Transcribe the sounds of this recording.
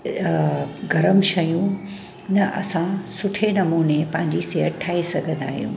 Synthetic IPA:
ɡʱɐɾəmʃɐjũ | nɐʔɐ̰sãsʊʈʰenɐmuːnepɐ̃ɦɪ̃ɲd͡ʑiseːɦəʈʰaːisɐɡʱə̃nd̪a̰ːɦijṵ̃ː

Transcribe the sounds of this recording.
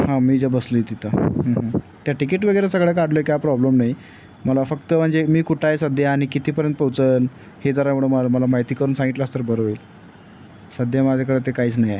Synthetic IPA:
hãmiːd͡zəbəsləet̪it̪ʰəɦəɦə | t̪jaʈikiʈʋəɡəjɾəsəɡɭek̬aɽloekjapɾɔbləmnaj | məlafəkt̪əm̤əɳd͡zemiːkuʈʰajsəd̪jaːɽ̃ikit̪ʰiːpəɾjənt̪pət͡sən | hed͡zəɾaʋiɽoməməlamaɦjt̪iːkəɾuːnsãŋɡiʈ̪last̪əɾbəɾoel | səd̪ʱjamad͡ʑʱakəɽet̪ekaiːt͡snaja

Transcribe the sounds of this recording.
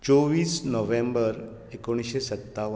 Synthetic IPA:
t͡ʃoʋiːsnɔʋẽmbəɾ | ekoɽ̃iʃesət̪ːaʋ

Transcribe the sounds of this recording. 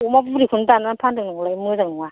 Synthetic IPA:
umabuɾikʰuntananpʰandɯnɯŋlajmuzaŋnɯŋa

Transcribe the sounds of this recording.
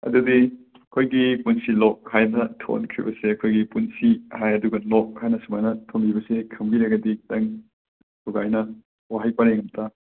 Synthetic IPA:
ɐ̰dudi | ɐkʰojɡipunsilɔk̚hajnɐtʰo̰nkʰɾḭbɐseɐkʰojɡipunsihajɐduɡɐlɔk̚hajnɐsumanɐtʰonbibɐsekʰɐmɡiɾɐɡɐditɐŋ | tuɡajnɐ | waɦajpaneŋɐmtʰa

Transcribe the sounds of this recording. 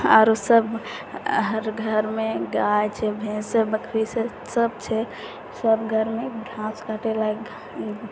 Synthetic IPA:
a̰ɾosəb | ɦəɾɡʱəɾmeɡajt͡ʃʰɛbʱẽsebəkʰɾise | səb̚t͡ʃʰɛ | səbɡʱəɾmebɾʱãskaʈela

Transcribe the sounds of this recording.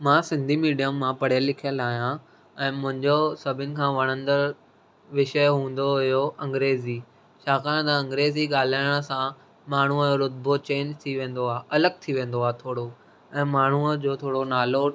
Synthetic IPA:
mãːsɪ̃nd̪ʱimiːɖijəmːãpɐɽ̤jəlɪkʰijəlaːɦijã | ɛ̃ːmʊ̃ɦɪ̃ɲd͡ʑosɐbʱɪnɪ̆kʰãːʋɐɽ̤̃ə̃nd̪əɾ | ʋɪʃəɦũːn̆d̪oɦɪjoʔɐ̃ŋɡɾeːziː | ʃaːkaɽ̃t̪ɐɐ̃ŋɡɾeːziɠaːl̤aːɪɽ̃sã | maːɳ̤uəoɾʊd̪̚bʱot͡ɕeːnd͡ʑt̪ʰiʋẽːn̆d̪oaːʔɐləɡ̚t̪ʰiʋẽːnd̪oaːɦt̪ʰoːɽo | ɛ̃ːmaːɳ̤uəd͡ʑoːt̪ʰoːɽonaːlo

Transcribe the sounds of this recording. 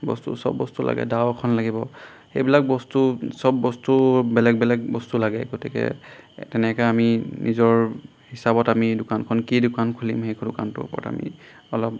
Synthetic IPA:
bɔ̰stṵsɔ̰bːɔstulʔa̰ɡɛ̰daʊkʰɔnlaɡibɔ | xejbilak̚bɔstusɔbːɔstubɛlɛɡ̚bɛlɛɡ̚bɔstulaɡɛɡotikɛ̰tɛnɛkɛaminʔizɔɹ | hisabɔtamidʊkankʰɔnkidʊkankʰulimxekdʊka̰ntʊ̰pɔta̰mḭ | ɔlɔp̚

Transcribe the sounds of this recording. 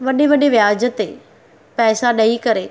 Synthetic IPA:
ʋɐɗeʋɐɗeʋjaːd͡ʑət̪e | pɛːsaɗɐikɐɾe

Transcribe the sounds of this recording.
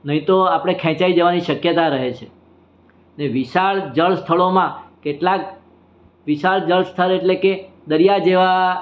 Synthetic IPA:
nəɦĩt̪oapɽ̃ekʰɛ̃t͡ʃaid͡ʒəʋaniʃəkjət̪aɾəɦet͡ʃʰe | neʋiʃaɭd͡ʒəɭst̪ʰəɭomãkeʈlak̚ | ʋiʃaɭd͡ʒəɭst̪ʰəɾeʈleke | d̪əɾjad͡ʒeʋa

